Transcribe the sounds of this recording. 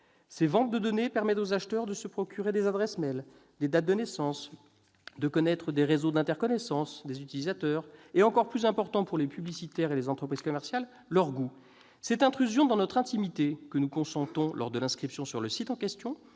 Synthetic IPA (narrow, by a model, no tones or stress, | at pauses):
sevɑ̃t̪̚d̪əd̪ɔnepɛʁmɛt̪ozaʃt̪œʁd̪əsəpχɔkʲyʁed̪ezad̪ʁɛsmɛl | d̪ed̪at̪̚d̪ənɛsɑ̃s | d̪əkɔnɛt̪χəd̪eʁezod̪ɛ̃t̪ɛʁkɔnɛsɑ̃sd̪ezyt̪ilizat̪œʁeɑ̃kɔʁplyzɛ̃pɔʁt̪ɑ̃puʁlepyblisit̪ɛʁelezɑ̃t̪χəpχiz̥kɔmɛʁsjalː | œʁɡu | sɛt̪ɛ̃t̪χyzjɔ̃d̪ɑ̃nɔt̪χɛ̃t̪imit̪ekənukɔ̃sɑ̃t̪ɔ̃lʔɔ̰ʁd̪əlɛ̃skχipsjɔ̃syʁləsit̪ɑ̃kʲɛst̪jɔ̃